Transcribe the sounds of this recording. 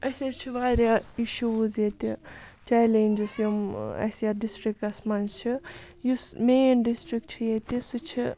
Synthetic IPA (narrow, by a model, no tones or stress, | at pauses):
ɐsʲezt͡ʃʰiʋaːɾjaiʃuːzjet̪it͡ʃalenʲd͡ʒusɐmɐ̰sjaɖisʈɾikɐsmɐnzt͡ʃʰi | jusmeːnɖisʈɾikʈt͡ʃʰijet̪ʲisut͡ʃʰi